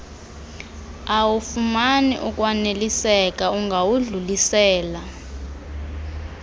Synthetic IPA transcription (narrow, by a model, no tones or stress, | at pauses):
awufumanḭʔuk̬ʼwanelisɛk̬ʼauŋɡʱawuɮulisɛːla